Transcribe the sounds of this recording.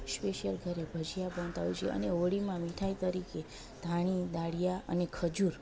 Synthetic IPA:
speʃəlɡʱəɾebʱəd͡ʒʱijabə̃nt̪aʋut͡ʃʰḛʔə̰neoɽimãmiʈʰait̪əɾike | d̪ʱaɽ̃id̪aɽijaə̰nekʰəd͡ʒuɾ

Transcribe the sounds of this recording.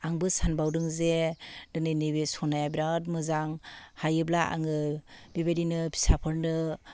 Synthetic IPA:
aŋbɯsanbawdɯŋzedɯnɯjnɯbesɔnajabiɾat̚mɯzaŋhajɯblaʔa̰ŋɯbebadinɯbʰi̥sapʰɯɾnɯ

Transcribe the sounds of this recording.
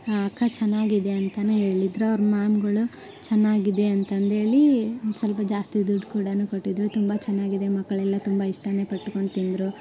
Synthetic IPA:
ɐkʰːɐt͡ʃɛnːaːɡid̪e̞ɐnt̪ɐnuɦe̞ːɭid̪ɾuɐʋɐɾɐmaːmɡɐɭu | t͡ʃɛnːaːɡid̪e̞ɐnt̪ɐnd̪ɦe̞ːɭisɐlpɐd͡ʒaːst̪id̪uɖːkuːɽɐnukoʈːid̪ɾut̪umbɐt͡ʃɛnːaːɡid̪e̞mɐkːɐɭɛlːɐt̪umbɐiʂʈɐne̞pɐʈːkoɳɖt̪ind̪ɾu

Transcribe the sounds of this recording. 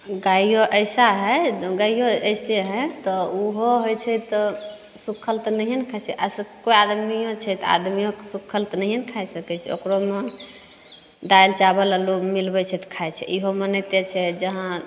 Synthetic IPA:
ɡajoʔəɪsaɦɛɡajjoəjseɦɛt̪ɔuɦoɦojt͡ʃʰɛt̪ɔ | sukʰːəlt̪nəiɦənkʰajt͡ʃʰɛʔasəkojad̪mijõt͡ʃʰɛt̪a̰d̪mijõkesukʰːəlt̪nəɦiɦənkʰajsəkɛt͡ʃʰɛ̰o̰kɾome | d̪ajlt͡ʃabələlumilbɛt͡ʃʰɛt̪kʰajt͡ʃʰɛ̰ʔiɦomənət̪et͡ʃʰɛd͡ʒəɦã

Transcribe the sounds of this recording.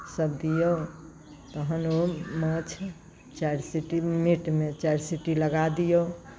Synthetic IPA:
səbd̪ijo | t̪əɦənomət͡ʃʰ | t͡ʃaɾsiʈimiʈmet͡ʃaɾsiʈiləɡad̪ijo

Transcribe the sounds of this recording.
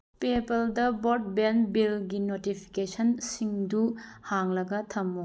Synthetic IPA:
pepɐldɐboɾt̚benbilɡinotipʰi̥kesɐnsiŋduhaŋlɐɡɐtʰɐmːo

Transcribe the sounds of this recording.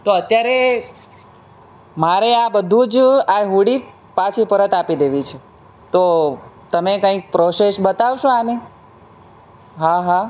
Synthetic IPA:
t̪oət̪jaɾe | maɾeabəd̪ʱũd͡ʒaɦuɽi | pat͡ʃʰipəɾət̪apid̪eʋit͡ʃʰe | t̪ot̪əmekə̃ik̚pɾosesbət̪aʋʃõani | ɦaɦa

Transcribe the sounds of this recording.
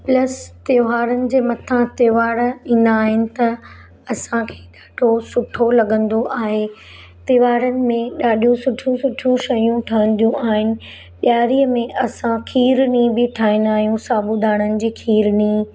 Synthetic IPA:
plɐst̪eːʋaːɾənɪ̆d͡ʑeːmɐt̪ʰãt̪eːʋaːɾĩːn̆d̪aːɦɪnɪ̆t̪ɐ | ɐsãkʰe̥ːɡʱɐʈʰosʊʈʰolɐɠə̃nd̪oʔaːɦe | t̪iːʋaːɾənɪ̆mẽɗaːɗijũsʊʈʰjũsʊʈʰijũʃɐjũʈʰɐə̃n̆d̪ijũʔaːɦɪnɪ̆ | ɓjaːɾiːəmẽʔɐsãkʰiːɾnibɪʈʰaːĩnd̪aːɦijũsaːbud̪aːɽ̃ənɪ̆d͡ʑiːkʰiːɾniː

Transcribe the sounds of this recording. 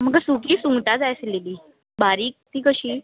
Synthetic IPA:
məɡəsukiːsuŋɡʈ̪ad͡zajsleliː | baɾiːk̚t̪iːkəɕiː

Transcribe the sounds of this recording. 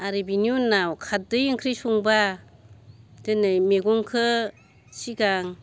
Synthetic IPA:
aɾibinjunawkʰat̚dɯjɯŋkʰɾisuŋba | dɯnɯmeɡɔŋkʰɯ | siɡaŋ

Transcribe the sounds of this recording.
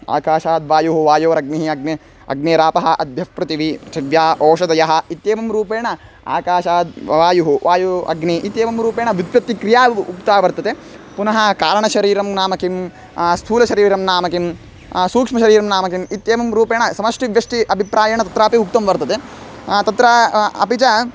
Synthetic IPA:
a̰ːkaːʃaːd̪ʋaːjuɦuʋaːjoːɐɾɐɡ̚niɦiɐɡ̚ne | ɐ̰ɡneːɾaːpɐɦɐʔɐd̪ʱjɐfpɾɐt̪iʋiɐt͡ʃʰiʋjaːʔɔːʃɐd̪ɐjɐɦɐ̆it̪jeːʋɐmɾuːpeːɳɐ | a̰ːkaːʃaːd̪ʋaːjuɦuʋaːjuɐ̰ɡniʔit̪jeːʋɐmɾuːpeːɳɐʋid̪ʋjɐt̪ːikɾijaːukt̪aːʋɐɾt̪ɐt̪e | punɐɦɐkaːɾɐɳɐʃɐɾiːɾɐmnaːmɐkim | st̪ʰuːlɐʃɐɾiːɾɐmnaːmɐkim | suːkʂmɐʃɐɾiːɾɐmnaːmɐkimit̪jeːmɐmɾuːpeːɳɐsɐmɐʂʈiʋjɐʂʈiʔɐbʱipɾaːjɐɳɐt̪ɐt̪ɾaːpiuk̚t̪ɐmʋɐɾt̪ɐt̪e | t̪ɐt̪ɾaːɐ̰pit͡ʃɐ

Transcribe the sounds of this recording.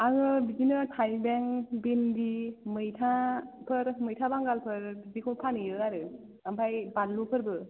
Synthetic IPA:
aŋɯbizinɯtʰajbɛŋbendimɯjtʰapʰɯɾmɯjtʰabaŋɡalpʰɯɾbikʰɔnpʰanɯjɯaɾɯ | ampʰajbanlupʰɯɾbɯ

